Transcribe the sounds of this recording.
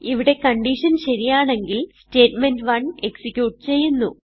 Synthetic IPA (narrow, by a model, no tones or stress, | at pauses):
iʋiɽe̞kɐɳɖiʂɐnɕɐɾijaːɳe̞ŋɡilste̞ːʈme̞ndʋɐɳe̞ksikʲjuːʈːɨt͡ɕe̞jːunːṵ